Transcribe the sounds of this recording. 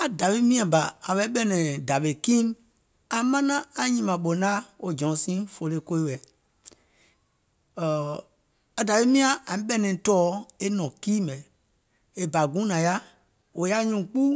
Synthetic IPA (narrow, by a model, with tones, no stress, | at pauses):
a˨da˨ɓe˧˦mĩ˦˧ã˨ba˨a˨ɓɛ˦ɓɛ˦nɛ̃˨da˨ɓe˨kĩ˦n | a˨mã˦nã˦a˨ɲĩ˧˨mã˨ɓo˨nã˦o˨d͡ʒɔ̃˨˦sĩ˦fo˧˨le˧˦ko˧˦i˦wɛ˨ | a˨da˨ʋe˦mĩ˦ã˨ʔã˨ĩ˨˦ɓɛ˦nɛ̃˨tɔː˨˦e˦nɔ̃˨kiː˦mɛ̃˨ | e˦ba˨ɡũ˨˦nã˨ja˦ | o˨ja˦ɲũː˨k͡pu˦